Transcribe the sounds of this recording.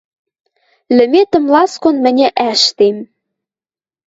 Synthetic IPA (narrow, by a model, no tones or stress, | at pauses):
lɘ̆met̪ə̆mlɑskonmɘ̆nʲɘ̆ʔæʃt̪em